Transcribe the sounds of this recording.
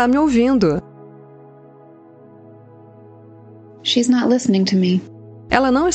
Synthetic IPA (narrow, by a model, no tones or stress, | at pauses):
amɪowvĩnd̪ʊ | ʃiznətˡlɪsnɪ̃ŋtʰɨmi | ɛ̰lɐnɐ̃w̃ɪs